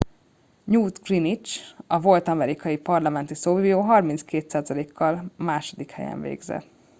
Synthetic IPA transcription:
ɲuːt̪krinit͡ʃɒvo̞lt̪ɒmɛɾikɒjipɒrlɒmɛnt̪isoːvijoːɦɒrmint̪skeːt̪saːzɒleːkːɒlmaːʃo̞d̪ikhɛ̰jɛ̰ɱvḛːɡzɛ̰t̪ː

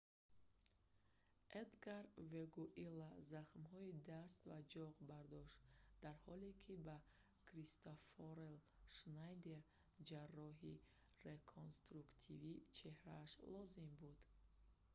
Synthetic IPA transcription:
ʔed̪ɡaɾveɡuʔilːazaχmhɔid̪ast̪vad͡ʒɔʁbaɾd̪ɔʃt̪d̪̥aɾhɔlekʰiba | kʰɾist̪ofoɾel | ʃnajd̪eɾ | d͡ʒarːɔɦi | ɾekʰonst̪ɾukt̪ʰivit͡ʃʰe̞hɾaːʃlɔzimbud̪̥

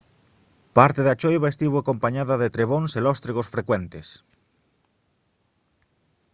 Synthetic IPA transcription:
paɾt̪eðat͡ʃojβaest̪iβoakompaɲaðaðet̪ɾeβ̞onselɔst̪ɾeɣosfɾekwent̪es

